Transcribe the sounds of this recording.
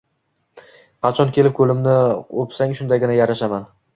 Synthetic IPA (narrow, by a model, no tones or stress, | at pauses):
qʰɑt͡ʃʰɒnkʲe̞lɪp̚kʰɵlɪmnɪopsaŋʃʊnd̪aɡʲɪnajaɾaʃaman